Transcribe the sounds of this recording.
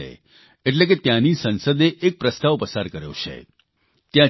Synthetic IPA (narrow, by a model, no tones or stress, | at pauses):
ḛ | eʈlek̬et̪jãnisənsəd̪eʔːk̚pɾəst̪aʋpəsaɾkəɾjo̰t͡ʃʰḛ | t̪jã